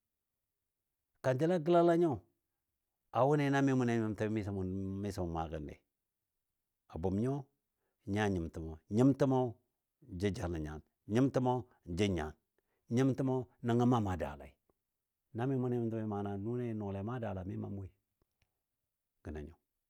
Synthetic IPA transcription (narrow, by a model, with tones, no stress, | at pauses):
ka˨nd͡ʒi˦la˦ɡə˦la˦la˦ɲo˦˨ | a˨wu˦ne˦na˦mi˦mu˦ne˦mi˦mta˦mi˦sa˨˦m˨mi˦sa˨mu˨ma˨ɡə̰˨ndḛ˨ | a˨bu˨mɲo˦ | ɲa˦ɲi˨mti˨mo˨ɲi˦mti˦mo˦ | d͡ʒi˦d͡ʒa˨la˨ɲa̰˨n | ɲi˦mti˦mo˦ | d͡ʒi˦ɲa̰˨n | ɲi˦mti˦mo˦na˨ŋa˦ma˦ma˨da̰˨la̰˨i˨ | na˦mi˦mu˦ne˦i˦tu˦mi˦ma˨na˨nu˦ne˦no˨la˨˦ma˦da˨la˨mi˦ma̰˨m˦i˨ | ɡ̥ə˨na̰˨ɲo˨